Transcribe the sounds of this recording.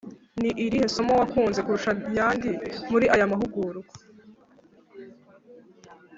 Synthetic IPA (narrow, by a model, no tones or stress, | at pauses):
niʔiɾiheso̞mowakuːnze̞kuɾuʃajaːndimuɾiʔajamaɦuɡuːɾuɡo